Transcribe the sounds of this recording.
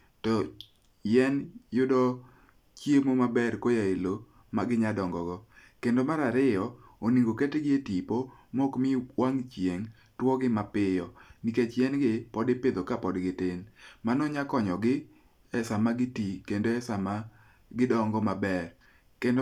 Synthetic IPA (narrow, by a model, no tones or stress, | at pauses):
tɔ | jɛnjʊdɔ | t͡ʃjemomabɛrkojaelo | maɡɪɲadɔŋɡɔɡɔ | kendomaɾaɾɪjɔoniɡoketɡɪetipo | mɔkmɪwaŋt͡ʃjeŋ | twɔɡɪmapɪjɔniket͡ʃjɛnɡɪpɔdɪpɪd̪okapɔdɡɪtɪnmanɔɲakɔɲɔɡɪ | ɛsamaɡɪtikendoɛsama | ɡɪdɔŋɡɔmabɛr | kend